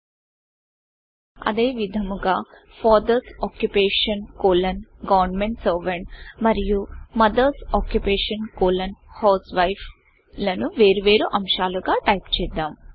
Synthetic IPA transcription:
ɐ̰d̪e̞ːʋid̪ʱɐmuɡaː | fʰaːd̪ɐɾsaːkjupeːʂɐnkoːlɐnɡɐʋɐɾnmeɳʈsɐːʋɐɳʈmɐɾijumɐd̪ɐɾsaːkjupeːʂɐnkoːlɐnhɐwsʋɐjpʰ | lɐnuʋe̞ːɾuʋeːɾuʔɐmʃaːluɡaːʈɐjpt͡ʃɛːd̪ːaːm

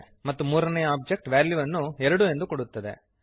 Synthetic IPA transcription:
mɐt̪ːumuːɾɐnɛjɐaːb̚d͡ʒek̚ʈʋaːljuʋɐnːuɛɾɐɽue̞nd̪ukoɽut̪ːɐd̪ḛ

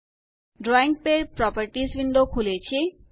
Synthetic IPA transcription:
ɖɾɔiŋɡ̚peɾpɾɔpaɾʈisbind̪okʰulet͡ɕʰe

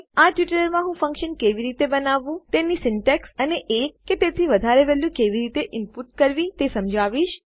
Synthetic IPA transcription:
aʈʋiʈəɾəɾmãɦũfə̃ŋkʃənkeʋiɾit̪ebənaʋːũt̪enisɪɳʈeksəneʔeket̪et̪ʰiʋəd̪ʱaɾeʋɛljũkeʋiɾit̪eʔɪmpuʈ̚kəɾʋit̪esəmd͡ʒaʋiʃ

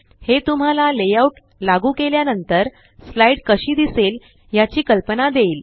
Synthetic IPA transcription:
het̪um̤alalejauʈ | laɡuːkeljanənt̪əɾ | slaiɽkəɕiːd̪isel | jat͡ɕiːkəlpənad̪eiːl

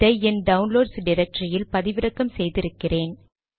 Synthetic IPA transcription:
ɐɛnɖɐʊnloːɖsɖɪɾɛk̚ʈrɪjɪlpɐðɪʋɪɾɐkːɐmsɛjðɪɾɯkːɪreːn

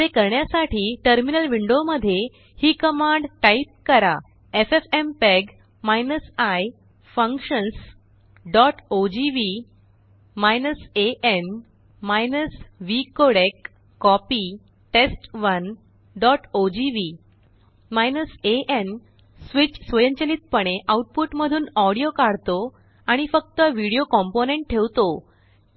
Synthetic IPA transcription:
t̪ekəɾɳjasaʈʰiːʈəɾminəlʋiɳɖoməd̪ʱːje | hiːkəmãɳɖʈaip̚kəɾa | efefempɛɡ | majnəsaj | fə̃ŋkɕəns | ɖɔʈod͡ʑiʋi | majnəseʔen | majnəsʋikoɽekː | ɔpi | ʈesʈʋən | ɖɔʈod͡ʑiʋi | majnəseʔen | sʋit͡ɕsʋeɲt͡ɕeliːt̪̚pəɽ̃eʔauʈ̚puʈməd̪ʱuːnɔɽijokaɽt̪o | aɽ̃ifək̚t̪əʋiɽijokɔmponeɳʈʈʰeʋt̪o

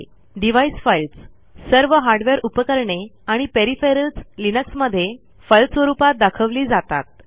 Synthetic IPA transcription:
ɖiʋaisfajilt͡s | səɾʋəɦaɾɖʋeɾupəkəɾɳeaɽ̃ipeɾifeɾəlt͡slinəksməd̪ʱːje | fəjlsʋəɾupat̪̚d̪akʰəʋliːd͡zat̪a̰t̪̚

